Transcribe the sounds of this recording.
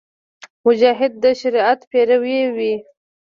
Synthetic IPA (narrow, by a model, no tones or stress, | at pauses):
mʊd͡ʒɑɦɪd̪̚ːəʃaɾiat̪peɾawewi